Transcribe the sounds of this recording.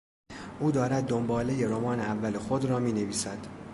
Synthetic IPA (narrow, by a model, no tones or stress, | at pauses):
ʔuːd̪ɒːɾæd̪̚ːombɒːle̞je̞ɾomɒːneævːæle̞xod̪rɒːmiːne̞viːsæd̪̥